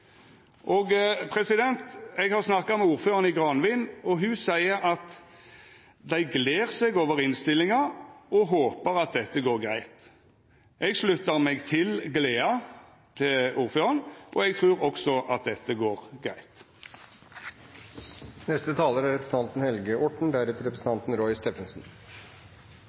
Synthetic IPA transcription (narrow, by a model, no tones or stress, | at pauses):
ʔɔːɡpʰɾɛsɪd̪ɛnt̪ɛɡhɑʁsnɑkːɑmɛuːɾføːʁənɪɡʁɑnʋɪnɔɦʉsæɪəɾɑt̪ | d̪æɪɡleːʁseɡoːʋəʁɪnst̪ɪlːɪŋɑɔɦoːpəʁɑt̪̚d̪ɛt̪ːəɡoːʁɡɾæɪt̪ | ʔɛɡslʉt̪əʁmɛɡt̪ʰɪlɡleːɑ | t̪ʰɪuːʁføːʁənʔɔ̰ɛɡ̚t̪ʰʁʉːʁɔksɔʔɑt̪̚d̪ɛt̪ːəɡoːʁɡʁæɪt̪ | nɛst̪ət̪ʰɑːləɾæɾɛpɾsn̩t̪ɑnt̪n̩hɛlɡəʔɔʈɳ̩d̪æɾɛt̪ɪɾɛpɾəsn̩t̪ɑnt̪n̩ɾɔʏst̪ɛfənsn̩